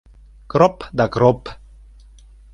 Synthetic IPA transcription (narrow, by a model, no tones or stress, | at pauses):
kɾɔpd̪akɾop